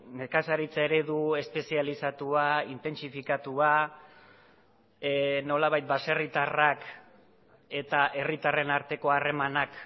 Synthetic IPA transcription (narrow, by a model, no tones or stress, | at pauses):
mekasaɾit͡saeɾe̞ðue̞spe̞sialisat̪uaint̪e̞nsifikat̪ua | no̞laβajt̪̚base̞rit̪arak | e̞t̪aʔe̞rit̪are̞naɾt̪e̞ko̞are̞manak